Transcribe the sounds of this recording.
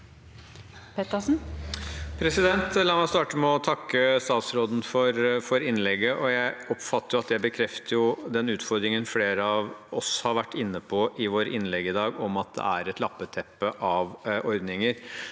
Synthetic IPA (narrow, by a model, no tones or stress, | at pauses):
pʰɛt̪ɑsn̩ | pʰɾɛsɪd̪ɛnt̪lɑːmæɪst̪ɑːʈəmɛɔt̪ʰɑkːəst̪ɑːt̪sɾoːd̪n̩fɔɾfɔɾɪnlɛɡːəʔɔjæɪɔpfɑt̪ːəɾjʊɑt̪jæɪbəkʰɾɛft̪əɾjʊd̪ɛnʉːt̪fɔɾd̪ɾɪŋənfleːɾəɑʋɔshɑɾʋæʈːɪnːəpʰɔʔɪʋoːɾəʔɪnlɛɡɪd̪ɑːɡɔmɑt̪̚d̪ɛ̰æɾɛt̪lɑpːət̪ʰɛpːəʔɑʋʔɔɾd̪nɪŋəɾ